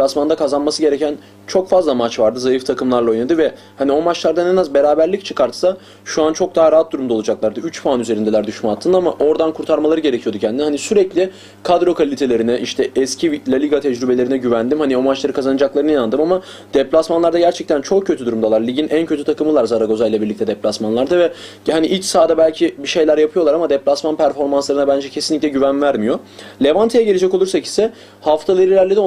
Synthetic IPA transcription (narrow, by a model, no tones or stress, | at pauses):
lʲasmand̪akʰazanmasɯɟe̞ɾecʰæn | t͡ʃʰo̞kfazlˠamat͡ʃvaɾd̪ɯzajɯft̪ʰakʰɯmlˠaɾlˠaojnad̪ɯvɛ | hanio̞mat͡ʃlˠaɾd̪anɛnazbe̞ɾaːbæɾlʲict͡ʃʰɯkaɾt̪sa | ʃuant͡ʃʰo̞k̚d̪aɦaɾaat̪̚d̪uɾumd̪alˠud͡ʒaklˠaɾd̪ɯyt͡ʃpʰaanyze̞ɾind̪ɛlʲæɾd̪yʃmaat̪ʰːɯnamaʔo̞ɾd̪ankʰuɾt̪ʰaɾmalˠaɾɯɟe̞ɾecʰijo̞d̪ucʰɛænd̪inhanisyɾɛclʲi | kʰad̪ɾo̞kʰalʲit̪ʰe̞lʲe̞ɾinɛʔiʃt̪ʰɛɛscʰivlʲalʲiɡat̪ʰɛd͡ʒɾybelʲe̞ɾinɛɟyvænd̪imhanio̞mat͡ʃlˠaɾɯkʰazanad͡ʒaklˠaɾɯnɯjnand̪ɯmama | d̪̥ɛplʲasmanlˠaɾd̪aɟæɾt͡ʃʰɛc̚t̪ʰænt͡ʃʰo̞k̚cʰːø̞t̪ʰyd̪uɾumd̪alˠaɾlʲiɟinʔæncʰøt̪ʰyt̪ʰakɯmɯlˠaɾzaɾaɡo̞zajlʲɛbiɾlʲic̚t̪ʰɛd̪ɛplʲasmanlˠaɾd̪avɛ | haniʔilʲt͡ʃsaːd̪abælʲcʰibiʃe̞jlʲæɾjapʰɯjoaɾamad̪ɛplʲasmanpʰæɾfo̞ɾmanslˠaɾɯnabænd͡ʒɛcʰe̞sinlʲicʲlʲɛɟyvænvæɾmijo̞lʲe̞vant̪ʰejɛɟe̞lʲed͡ʒɛcolˠuɾsaci̥sɛ | haft̪ʰalˠeɾilʲæɾlʲed̪ɛo